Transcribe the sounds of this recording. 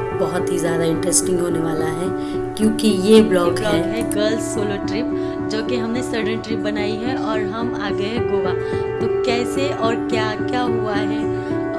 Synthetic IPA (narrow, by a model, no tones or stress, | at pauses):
bɐɦʊt̪ɦizjaːd̪aɪ̃ɳʈɾesʈɪ̃ŋɡɦoːneʋaːlaɦɛː | kjõːkijeblɔːɡɦɔːɛɦɛɡəlssoːloʈɾɪp̚ | d͡ʒoːkeɦɐmnesɐɾɖə̃nʈɾɪp̚bɐnaːiɦɛʔɔːɾɦɐma̰ːɡɐeɡoːaː | t̪okɛːseʔɔːɾkjaːkjaːɦuaɦɛː